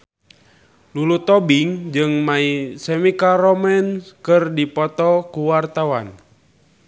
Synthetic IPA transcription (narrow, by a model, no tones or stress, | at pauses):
lulut̪ɔbiŋd͡ʒɨŋmaisɛmikaɾɔmɛnkɨrdipɔt̪ɔkuwart̪awan